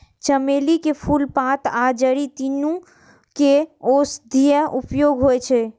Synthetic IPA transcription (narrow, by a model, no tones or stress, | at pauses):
t͡ʃəmelikepʰulpãt̪ad͡ʒəɽit̪inũ | keosd̪ʱijəʔupjoɡɦojt͡ʃʰɛ